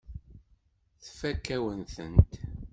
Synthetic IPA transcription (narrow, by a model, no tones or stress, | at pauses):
θfækːæwənθənt̪